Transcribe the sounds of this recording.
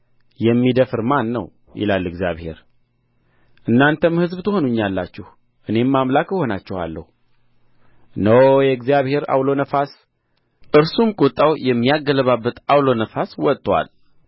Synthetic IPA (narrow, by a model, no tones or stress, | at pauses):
jɛmːid̪əfɨɾmanːə̰w | jʔɪ̰lalːɨɡzijaβhe̞̰ɾ | ʔɨnːant̪ʰəmhɨzbt̪ʰɨho̞nuɲːalːa̰t͡ʃːɛh | ʔɨne̞mːamlakːəho̞nat͡ʃːɛha̰lːə̰hu | nəwjɛɡzijaβhe̞ɾa̰wlo̞nəfas | ʔɨɾsumkʼut̪ʼːawjɛmːijaɡːələβabːət̪awlo̞nəfaswɔt̪ʼːwa̰l